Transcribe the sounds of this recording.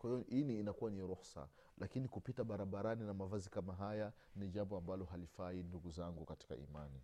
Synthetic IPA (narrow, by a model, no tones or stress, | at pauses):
kwahijɔʔiniːnakuwaniɾuxsa̰ | lʔakinikupitaɓaɾaɓaɾaninamavazikamaɦaja | niʄambɔambalɔɦalifainduɡuzaŋɡukati̥ka̰ḭmani